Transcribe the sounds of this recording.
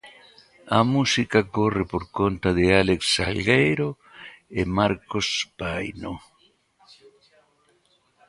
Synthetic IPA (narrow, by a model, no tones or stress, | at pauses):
amusikakorɪpoɾkont̪aðɪaleksa̰lɡejɾo | emaɾkospajno